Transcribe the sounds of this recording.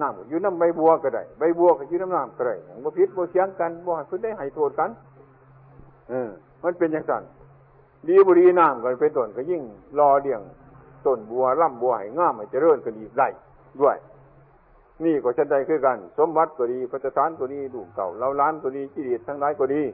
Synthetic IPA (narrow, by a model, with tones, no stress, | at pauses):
naː˧˩˨mkɔ˧˨˩juː˧˨na˧˨mba˧˩jbu˧ɐka˧˩da̰˨˩jba˧˩jbu˧ə˧ka˧˨˩juː˧˦na˧˥˨naː˧˩˨mka˧ɾa˨˩jɲa˧˩˨ŋbɔː˧pʰi˧˦t̪̚bɔː˧˦si˧˦ə˧ŋka˧˨nbɔː˧ha˧˨jpʰɯ˧t̪̚da˧˨jɦa˨˩˨jt̪ʰoː˧˩t̪̚ka˧˥˨n | ʔɯː˧˩ | ma˧˥˨npe˧˨nɲa˧˨ŋsa˧˩n | diː˧bɔː˧ɾiː˧naː˧˩˨mkɔ˧˩˨pe˧˨nt̪o˨˩nka˧˩ji˧˨ŋlɔː˧˩di˧˩əŋ | t̪o˧˩nbu˧ɐla˧˨mbu˧ɐ˧ha̰˨˩jŋaː˧˥˨mha˨˩jt͡ɕa˧˦lɤː˧˨nkʰa˧˨nʔiː˧˩da˧˩j | du˧˨ə˨j | niː˧˩˨kɔː˨˩sʰa˧˦nda˧˩jkʰɯː˧˨ka˧˨nso˧˦mba˧t̪̚kɔː˨˩diː˧pʰa˧t̪ʰːa˧saː˧˥˨nkɔ˧˩niː˧˩duː˧˩mka̰˨˩˨wla˧˨wlaː˧˥˨nkɔː˧˩diː˧t͡ɕi˧liː˧˩t̪ʰːa˧ŋlaː˨˧˥jkɔː˧˩diː˧